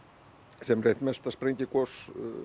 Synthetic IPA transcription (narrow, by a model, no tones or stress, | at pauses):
sɛmret̪mɛst̪aspɾeɲc̪ʲɪkɔs